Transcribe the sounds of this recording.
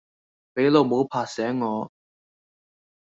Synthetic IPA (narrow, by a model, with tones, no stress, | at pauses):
pe˨˧˥jlo˨˩wmo˨˧˥wpʰaː˨˩sɛː˨˥ŋŋɔː˨˥